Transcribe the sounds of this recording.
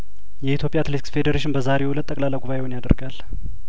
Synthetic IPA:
jɛit̪ʰjopʼjat̪let̪iksfed̪əɾeʃɪnbəzaɾewulət̪ʼːəkʼlalːajɡuβaʔewunjad̪ə̰ɾɡal

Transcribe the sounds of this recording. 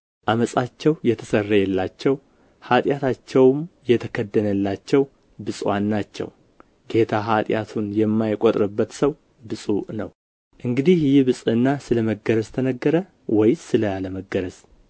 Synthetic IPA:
ʔaməsʼat͡ʃːɛwjɛt̪ʰəsərːəjɛlːat͡ʃːɛw | hat̪ʼjat̪ʰat͡ʃːɛwmjɛt̪ʰəkʰəd̪ːənəlːat͡ʃːɛw | bɨsʼwanːat͡ʃːɛ̰w | ɡe̞t̪ʰaɦat̪ʼjat̪ʰunjɛmːajkʼot̪ʼɾɨbːət̪səw | bɨsʼunə̰w | ʔɨŋɡɨd̪ihjɪbɨsʼɨnːasɨləməɡəɾəzt̪ʰənəɡːəɾə | wɔjsɨləaləməɡəɾəz̥

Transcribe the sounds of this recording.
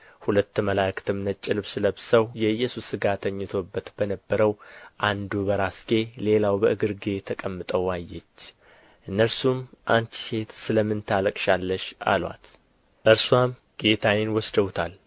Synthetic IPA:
hulət̪ːməlakɨ̥t̪ʰɨmnət͡ʃʼːɪlbsɨləbsəwjɛɨjːɛsusɨɡat̪ʰəɲːɪt̪ʰo̞bːət̪b̥ənəbːəɾəwʔand̪ubəɾasɡe̞le̞lawbəʔɨɡɨɾɡe̞t̪ʰəkʼəmːɨt̪ʼəwajːɛt͡ʃː | ʔɨnːəɾsumʔant͡ʃ̪i̥se̞t̪sɨləmːɨnt̪ʰaləkʼʃalːəʃa̰lwa̰t̪ | ʔɨɾswam | ɡ̥e̞t̪ʰawɪnwɔsd̪əwt̪ʰal

